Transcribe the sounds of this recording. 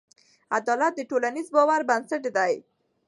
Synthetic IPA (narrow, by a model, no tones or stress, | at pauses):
a̰d̪ɔlat̪̚d̪əʈolanizbɔwaɾbansaʈd̪aj